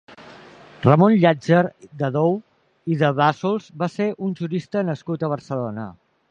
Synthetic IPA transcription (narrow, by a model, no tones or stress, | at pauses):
rəmonʎad͡ʒəɾd̪əðow | iðəβasolˠzbaseʔunʲʒuɾist̪ənəskut̪əβ̞əɾrsəlonə̰